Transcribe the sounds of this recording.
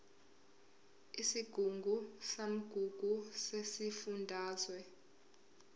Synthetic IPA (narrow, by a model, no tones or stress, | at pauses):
isiɡ̥ʱuŋɡʱusam̩ɡ̥ʱuɡ̥ʱusesifundʱaːzwɛ